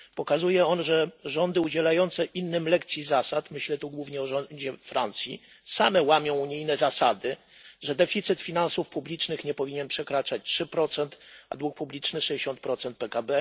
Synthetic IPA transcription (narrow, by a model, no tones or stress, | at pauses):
pɔkazujɛɔnʐɛʐɔnd̪ɘud͡ʑɛlajɔnt̪sɛʔinːɘmlɛkt̪sʲjizasat̪mɘɕlɛt̪uɡwuvɲɛɔʐɔd͡ʑɛfɾant̪sʲjḭ | samɛwamʲɔ̃w̃uɲijnɛzasad̪ɘ | ʐɛd̪ɛfʲit̪sɘt̪fʲinansufpublʲit͡ʂnɘxɲɛpɔvʲiɲɛnpʂɛkɾat͡ʂat͡ɕtʂɘpɾɔt̪sɛnt̪a̰d̪wuk̚publʲit͡ʂnɘʂɛd͡ʑeɕɔnt̪̚pɾɔt̪sɛnt̪̚pɛkabɛ